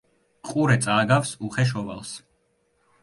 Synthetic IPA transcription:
qʼuɾɛt̪sʼaːɡafsuχɛʃ̬ɔva̰lˠs

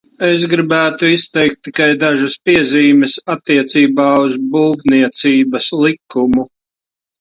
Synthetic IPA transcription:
es̬ɡɾibæːt̪uist̪ɛjk̚t̪ːikajd̪aʒɐspiɛziːmɛsat̪ːiɛt̪siːbaːuzbuːvniɛt̪siːbɐslikːumu

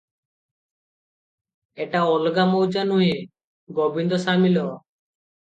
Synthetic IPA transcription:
eʈaɔlɡamɔwd͡ʒanuɦĩ | ɡɔbind̪ɔsamilɔ

